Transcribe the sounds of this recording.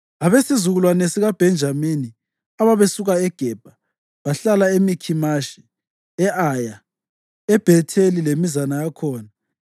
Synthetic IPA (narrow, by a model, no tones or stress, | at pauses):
aβesizuɣulwanesiɣab̥ʱɛnd͡ʒʱamini | aβaβesuɣaɛɡ̥ʱɛb̥ʱa | βaɬalaemikʰimaʃi̥ | ɛʔaja | ɛb̥ʱɛtʰelilemizanajakʰɔːna